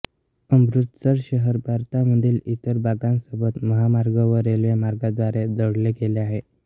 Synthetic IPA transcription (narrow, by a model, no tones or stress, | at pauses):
əmbɾut̪səɾɕəɦəɾbʱaɾt̪aməd̪ʱiːlit̪əɾbʱaɡãnsəbət̪məɦamaɾɡəʋəɾelʋemaɾɡad̪ʋaɾed͡z̪əɽleɡeleaɦe